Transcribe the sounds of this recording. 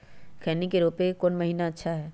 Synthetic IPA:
kʰɛːnikeɾoːpekoːnmɐɦiːnaɐtːʃʰaɦɛː

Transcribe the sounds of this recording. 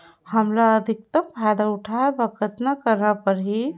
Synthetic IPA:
həmlaəd̪ʱik̚t̪əmpʰad̪auʈʰaebəkʰət̪nakəɾnapəɾɦi

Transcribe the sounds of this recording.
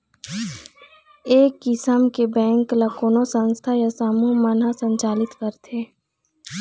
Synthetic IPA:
eːkːɪsəmkebɛ̃ːŋklɐkoːnosə̃nst̪ʰajasamumənasə̃ɲt͡ʃaːlɪt̪kəɾt̪ʰeː

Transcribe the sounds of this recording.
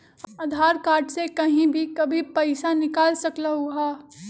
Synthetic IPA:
ad̪ʱaːɾkaːɾʈsekɐɦĩbʱikɐbʱipɐɪsanɪkaːlsɐklaɦuɦaː

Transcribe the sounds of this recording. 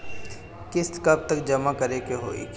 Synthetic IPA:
kɪskɐb̚t̪əkd͡ʒɐmakɐɾekeɦo̰ːḭk

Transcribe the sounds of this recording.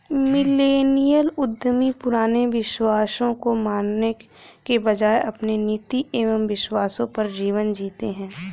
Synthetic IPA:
mɪleːnijəlʊd̪ʱːəmipʊɾaːneʋɪʃwaːsõkomaːnne | kebɐd͡ʒaːeʔɐpneniːt̪ieːʋəmʋɪʃwaːsõpɐɾd͡ʒiːʋənd͡ʒiːt̪eɦɛ̃ː

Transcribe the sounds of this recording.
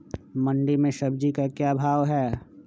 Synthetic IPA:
mɐ̃ɳɖimẽʃɐb̚d͡ʒikakjaːbʱaːʋɦɛː

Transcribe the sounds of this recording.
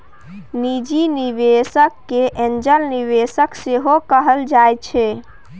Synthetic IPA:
nid͡ʒiniʋesəkːeʔend͡ʒəɾniʋesəkseɦokəɦəld͡ʒajt͡ʃʰɛ

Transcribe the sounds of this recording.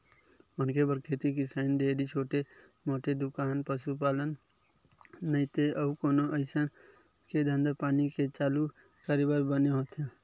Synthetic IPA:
ʊnkebəɾkʰeːt̪ikisəɪnd̪eːɾit͡ʃʰoːʈe | moːʈed̪ʊkaːnpəsupaːlən | əit̪eəkoːnoʔəɪsən | ked̪ʱə̃nd̪əpaːniket͡ʃaːlu | kaːɾibəɾbəneɦoːt̪ɦẽː

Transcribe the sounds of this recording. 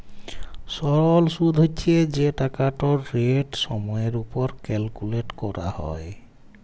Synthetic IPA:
sɔɹɔlsud̪ʱɦot͡ʃʰied͡ʒeʈakaʈɔɹːeʈsɔmɔjeɹupɔɹkɛlkuleʈkɔɾa̰hɔ̰j

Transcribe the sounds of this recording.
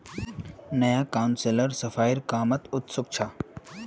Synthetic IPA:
nɐjaːkaʊnseləɾsɐfaːiɾkaːmɐt̪ʊt̪sʊk̚t͡ʃʰaː

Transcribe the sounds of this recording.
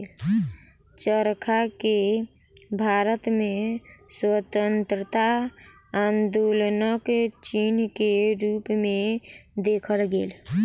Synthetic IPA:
t͡ʃəɾkʰake | bʱaɾət̪mẽswət̪ənt̪ɾət̪a | and̪olnəkt͡ʃinkeɾupmẽd̪ekʰəlɡeːl

